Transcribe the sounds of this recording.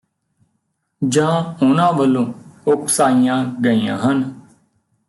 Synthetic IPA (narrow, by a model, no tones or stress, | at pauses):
d͡ʒãːʊnãːʋəlːõːʊksaːijãːɡəiːã̰ːɦən